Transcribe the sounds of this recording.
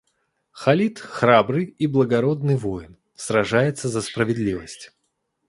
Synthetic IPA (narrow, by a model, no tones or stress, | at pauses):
xɐlʲit̪xrabɾɨjiblˠəɡɐɾo̞d̪nɨjvojɪn | sɾɐʐajɪt̪səzəspɾəvʲɪd̪lʲivəsʲtʲ